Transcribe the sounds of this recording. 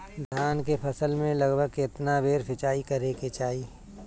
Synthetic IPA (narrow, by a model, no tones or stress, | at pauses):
d̪ʱjaːnkepʰɐsəlmẽlɐɡbʱəɡɪt̪nabeːɾpʰɪt͡ʃaːikɐɾeket͡ʃaːiː